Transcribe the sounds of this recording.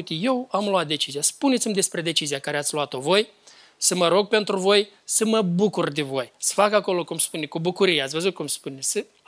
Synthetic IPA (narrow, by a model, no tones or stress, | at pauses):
t̪ije̞wamloat̪̚d̪e̞t͡ʃiziaspunet̪simʲd̪e̞spɾe̞d̪e̞t͡ʃiziakaɾeat̪sʲluat̪o̞vo̞j | səməɾo̞ɡ̚pe̞nt̪ɾuvo̞j | səməbukurd̪evo̞jsə̥fakako̞lo̞kumspunekubukuɾijeat̪sʲvəzut̪̚kumspunesə